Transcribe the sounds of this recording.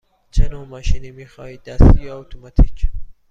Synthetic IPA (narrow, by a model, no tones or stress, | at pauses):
t͡ʃʰenoːmɒːʃinimiːxɒ̰ːhiːd̪æsijeot̪ʰomɔt̪ʰicʰ